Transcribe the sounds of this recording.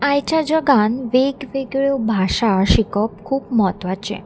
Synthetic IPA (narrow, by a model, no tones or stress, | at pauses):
ajt͡ʃad͡ʒəɡanʋeɡʋeɡɭjobʱaʃaʃikɔp̚kʰuːbmɔt̪ʋat͡ʃʰḛ